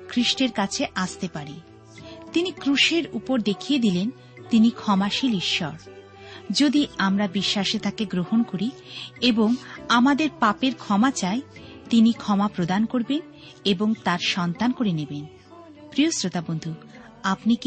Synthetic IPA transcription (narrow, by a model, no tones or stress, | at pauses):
kʰɾiʃʈeɾkat͡ɕʰeʔast̪epaɾi | t̪inikɾuʃeɾupoɾd̪ekʰied̪ilen | t̪inikʰɔmaʃiliʃːɔ̰ɾ | d͡ʑod̪iamɾabiʃːaʃet̪ʰakeɡɾohonkoɾieboŋamad̪eɾpapeɾkʰɔmat͡ɕae | t̪inikʰɔmapɾod̪ankoɾben | eboŋt̪aɾʃɔnt̪ankoɾeneben | pɾijosɾot̪abond̪ʱu | apnik